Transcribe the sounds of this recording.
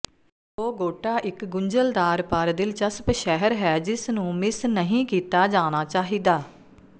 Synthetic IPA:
oːɡoːʈaːʔɪkɡʊɲd͡ʒəld̪aːɾpəɾd̪ɪlt͡ʃəspʃɛɦəɾɦɛːd͡ʒɪsnũːmɪsnəɦĩːkiːt̪aːd͡ʒaːnaːt͡ʃaːɦiːd̪aː

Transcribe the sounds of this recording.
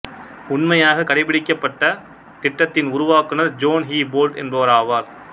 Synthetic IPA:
ʊɳmɐjaːɣɐkɐɽɐɪpːɪɽɪkːɐpːɐʈːɐ | t̪ɪʈːɐt̪ːɪnʊɾʊʋaːkɯnɐɾd͡ʒoːnɦiːboːlɖɛ̰nbɐɾaːʋaːɾ

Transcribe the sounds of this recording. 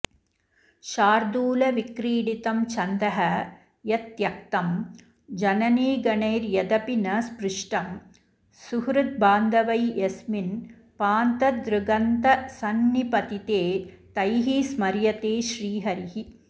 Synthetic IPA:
ʃaːɾd̪uːlɐʋikɾiːɽit̪ɐmt͡ʃʰɐnd̪ɐɦɐ | jɐt̪jɐk̚t̪ɐm | d͡ʒɐnɐneːɡɐnɐjɾjɐd̪ɐpinɐsbɾɪʂʈɐm | suɦɾut̪̚baːnd̪ɐʋɐjesmin | paːnt̪ɐd̪ɾuɡɐnt̪ɐsɐnːipɐt̪it̪eː | t̪ɐjɦismɐɾjɐt̪eːʃɾiːɦɐɾiɦi

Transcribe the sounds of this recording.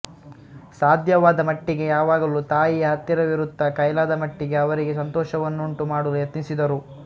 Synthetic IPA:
saːd̪ʱjɐʋaːd̪ɐmɐʈːiɡe̞jaːʋaːɡɐlut̪aːjijɐɦɐt̪ːiɾɐʋiɾud̪ʱːɐkɐjlaːd̪ɐmɐʈːiɡe̞ɐʋɐɾiɡe̞sɐnt̪ɔːʃɐʋɐnːuɳʈumaːɽuljɐt̪nisid̪ɐɾu

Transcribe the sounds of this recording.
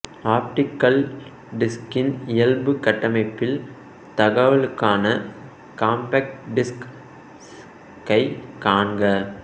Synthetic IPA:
aːp̚ʈɪkːɐl | ɖɪskɪnɪjɐlbɯkɐʈːɐmɐɪpːɪl | t̪ɐɣɐʋɐɭɯkːaːnɐ | kaːmpɐk̚ʈɖɪsk | kːɐɪkaːnɡɐ

